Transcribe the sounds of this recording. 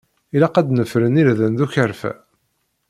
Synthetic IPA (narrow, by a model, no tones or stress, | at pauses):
ilæqæd̪nəfɾənilðənðuçəɾfæ̰